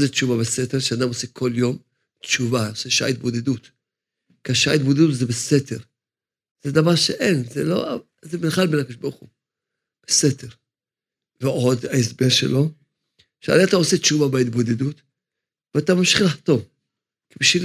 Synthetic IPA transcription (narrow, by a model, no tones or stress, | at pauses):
zett͡ʃuvabeseteʁʃead̪amosekʰo̞ljo̞m | tt͡ʃuvaoseʃa̰it̪bo̞d̪edut | kiaʃa̰it̪bod̪ed̪ut̪zebeseteʁ | z̥ed̪avaʁʃeʔenzḛlo̞̰a | zemenχalbenakd̪ʃbaʁuχu | b̥esedeʁ | veʔo̞d̪aesbeʁʃḛlo̞ | ʃea̰leat̪aosett͡ʃuvabeit̪̚bo̞d̪edut̪ | veat̪amamʃi̥χlaħt̪o̞v | kibiʃvil